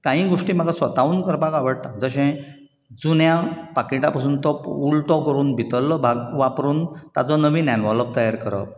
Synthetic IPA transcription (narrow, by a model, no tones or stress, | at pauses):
kãɦĩːɡoʂʈiːm̤aɡasʋət̪auːnkəɾbʱakaʋəɽt̪ad͡zəɕɛ̃ | d͡zunjãpakiʈapasuːnt̪ɔuɭʈɔkəɾuːnbʱit̪əlːɔbʱaɡʋapɾuːnt̪a̰t͡sɔnəʋiːnjanʋɔləp̚t̪əjaɾkəɾə̰p̚